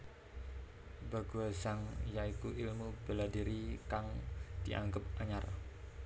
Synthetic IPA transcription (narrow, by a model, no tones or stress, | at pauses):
baɡuasaŋjaikuʔilmubəladiɾikaŋd̥iʔa̰ŋɡəp̚aɲar